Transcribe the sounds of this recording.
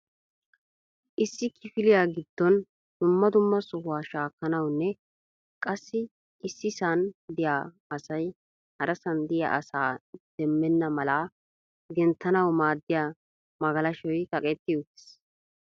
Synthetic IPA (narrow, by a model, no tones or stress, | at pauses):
ʔɪsːɪkʰɪfɪlɪjaːɡɪd̪̥ːɔn | d̪̥ʊmːɐd̪ʊmːɐsɔhʊwaːʃaːkːɐnɐwnːɛ | kʼɐsːɪ | ɪsːɪsɐnd̪ɪjaː | ɐsɐj | hɐɾɐsɐnd̪ɪja̰ʔɐsaːd̪̥ɛmːɛnːɐmɐlaː | ɡɛnt̪ːɐnɐwmaːd̪ːɪjaː | mɐɡɐlɐʃɔjkʼɐkʼɛt̪ːɪjɔt̪ːɪ̥s